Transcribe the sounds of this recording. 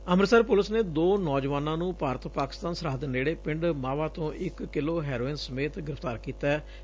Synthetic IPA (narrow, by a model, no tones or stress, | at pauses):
əmɾsəɾpʊləsneːd̪oːnɔːd͡ʒʋaːnãːnũːpaːɾət̪paːkɪ̥st̪aːnsəɾaːd̪əneːɽeːpɪɳɖmaːʋaːt̪õːʔɪkːɪloːɦɛːɾoːɪnsəmeːt̪ɡɪɾɪft̪aːɾkiːt̪ɛː